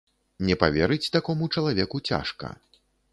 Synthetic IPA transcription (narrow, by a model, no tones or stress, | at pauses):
nʲɛpavʲɛɾɨt͡sʲt̪akɔmut͡ʂɐlˠavʲɛkut͡sʲa̰ʂkɐ̰